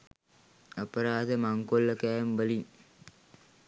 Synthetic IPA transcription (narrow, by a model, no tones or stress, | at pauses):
apəɾaːd̪əmaŋkolːəkæːmbəliŋ